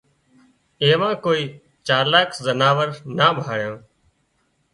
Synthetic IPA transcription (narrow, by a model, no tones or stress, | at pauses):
eːʋãːkoːiː | t͡ʃaːɾlaːkʰzənaːʋəɾnaːɓʱaːɭjõː